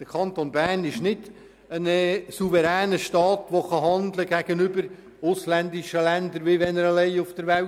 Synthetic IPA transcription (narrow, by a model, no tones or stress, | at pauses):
d̥əɾkʰɑnt̪onbærnɪʃnɪd | ənəsuvəɾæːnəʃtɑːt̪ʋoχɑɦɑnd̪ləɡæɡ̥ənʏbəɾ | ʊslænd̪ɪʃəlændəɾʋɪʋɛnəɾəlɛɪʊfd̥əɾʋæl